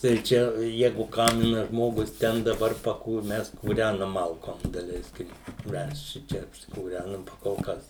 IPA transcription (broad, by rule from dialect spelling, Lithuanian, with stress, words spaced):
tɐɪ ˈt͡ʃʲɛ ˈjæːɡʊ ˈkɑːmʲɪnɐˈʒmoːɡʊs ˈtʲɛn dɐˈbɐr pɐˈkuːr ˈmʲɛs kuːˈrʲænɐm ˈmɐlˠkoːm dɐˈlʲɛɪsʲkʲɪm ˈmʲɛs ˈʃʲɪt͡ʃʲɛ ɐpʲsʲɪkuːˈrʲænɐm pɐ koːlˠ ˈkɐs